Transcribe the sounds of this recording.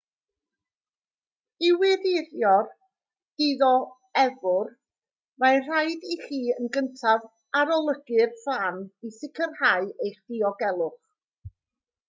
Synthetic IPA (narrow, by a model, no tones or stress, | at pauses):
ɪwɪðɪðjɔr | d̥iðɔ | ɛvʊr | majr̥ajdiɬiːənɡəntʰav | aɾɔlˠəɡɨrfanisɪkʰərhaɨejχd̥iɔɡɛlˠʊχ